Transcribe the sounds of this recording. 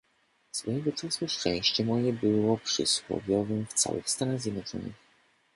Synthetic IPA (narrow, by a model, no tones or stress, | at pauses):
sfɔjɛɡɔt̪sɛswɔʂt͡ʂɛ̃j̃ɕt͡ɕɛmɔjɛbɘwɔpʂɘ̰swɔ̰vʲjɔvɘmft̪sa̰wɘ̰xst̪anaɣzʲjɛd̪nɔt͡ʂɔ̰nɘ̰x